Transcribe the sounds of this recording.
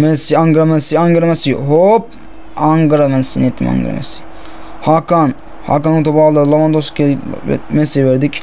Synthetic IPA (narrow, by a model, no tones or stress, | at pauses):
mɛnsiaŋɡɯɾamɛnsiaŋɡɯɾamɛsiɦop̚ | aŋɡɯɾamɛnsinet̪ʰːḭma̰ŋɡ̰ɾa̰mɛ̰si̥ | hakan | ha̰kanut̪obalˠalˠomand̪oskḛmɛsivɛɾd̪ik